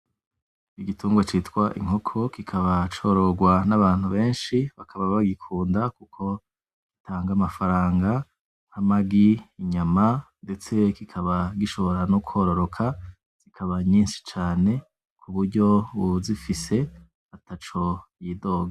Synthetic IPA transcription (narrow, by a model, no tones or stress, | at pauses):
iɡituːŋɡwat͡ʃitkwaʔḭŋo̞kʰo̞kikʰaβat͡ʃo̞ɾo̞ɡwanaβaːn̥huβe̞ːnʃiβakʰaβaβaɡikʰuːndakukʰo̞ | ɡitʰaːŋɡamafaɾaːŋɡa | namaɡiːɲamande̞t͡se̞kikʰaβaɡiʃo̞βo̞ɾanuku̥ho̞ɾo̞ɾo̞kʰa | z̥ikʰaβaɲiːnʃi̥t͡ʃaːne̞ | kʰuβuɾɟo̞βuzifise̞ | atat͡ʃo̞jido̞ːɡa